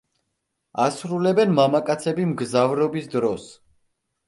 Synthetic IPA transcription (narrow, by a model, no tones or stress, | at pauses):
asɾulɛbɛnmamakʼat̪sʰɛbimɡzavɾɔbisd̪ɾɔs